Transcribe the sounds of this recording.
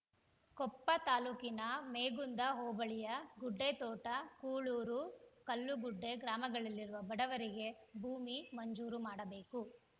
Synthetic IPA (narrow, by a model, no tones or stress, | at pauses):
kɔpːɐt̪aːluːkinɐmeːɡund̪ɐɦoːbɐɭijɐɡuɖːet̪ɔːʈɐkuːɭuːɾukɐlːuɡuɖːe̞ɡɾaːmɐɡɐɭɐlːiɾuʋɐbɐɽɐʋɐɾiɡe̞bʱuːmimɐɲd͡ʒuːɾumaːɽɐbe̞ːku